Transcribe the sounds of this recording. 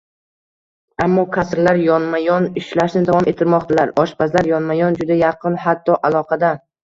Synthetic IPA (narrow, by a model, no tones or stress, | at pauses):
amːɒkʲʰasɾlaɾjɒnmajɒnɪʃlaʃnɪd̪avɒmʔe̞t̪ʰːɪɾmɒqt̪ʰalaɾɒʃpʰazlaɾjɒnmajɒnd͡ʒʊd̪ajɑqʰɨnhat̪ʰːɒʔalˠɒqʰɑd̪a